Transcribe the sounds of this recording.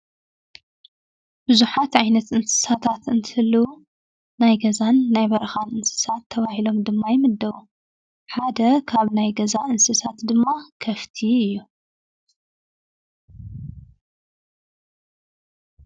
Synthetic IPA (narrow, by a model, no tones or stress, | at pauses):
b̥ɨzuħat̪ʕajnɐt̪ɨnsɨ̥sat̪ʰat̪ɨnt̪ʰɨhɨlːu | najɡɐzanːajbɐɾɐxanɨnsɨ̥sat̪ʰːɐβahilo̞md̪ɨmːajɪmɨd̪ːɐwu | ħad̪ɐkʰaβnajɡɐzaʔɨnsɨsat̪d̪ɨmːakʰɐft̪ʰiɨjːu